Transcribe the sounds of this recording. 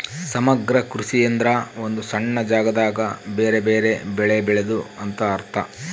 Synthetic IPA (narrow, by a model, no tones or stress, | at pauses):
sɐmɐɡɾɐkɾusijɐnd̪ɾɐo̞nd̪usɐɳːɐd͡ʒaːɡɐd̪aːɡɐbeːɾe̞beːɾe̞bɛɭebɛɭe̞d̪uɐnt̪ɐːɾt̪ʰɐ